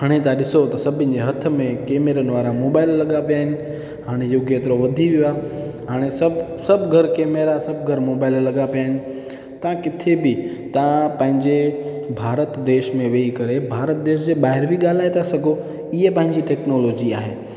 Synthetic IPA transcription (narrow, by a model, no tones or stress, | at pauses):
ɦɐɽ̃et̪ãɗɪsot̪ɐsɐbʱɪ̃nɪ̆d͡ʑeɦɐt̪ʰə̆mẽkeːmeɾənɪʋaːɾamoːbaːɪlːɐɠapijaːɦɪnɪ̆ | ɦaːɽ̃ejoɡjet̪ɾoʋɐd̪ʱiʋijuaːɦaːɽ̃esɐbsɐbʱɡʱɐɾkeːmeɾasɐb̚ʱɡʱɐɾmoːbaːɪlːɐɠapijaːɦɪ̃nɪ̆ | t̪ɐãkɪt̪ʰebɪt̪ɐãpɐ̃ɦɪ̃ɲd͡ʑe | bʱaːɾət̪d̪eːʃmẽʋeːikɐɾebʱaːɾət̪̚d̪eːʃd͡ʑeːɓaːɦɪɾbiɠaːl̤aːet̪ʰasɐɡʱo | ɪɦepɐ̃ɦɪ̃ɲd͡ʑiʈɛːknoːloːd͡ʑia̰ːɦḛː